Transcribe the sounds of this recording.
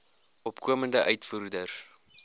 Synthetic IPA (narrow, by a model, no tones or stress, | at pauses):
ʔɔpkuəməndəʔœɥtfuːrdərs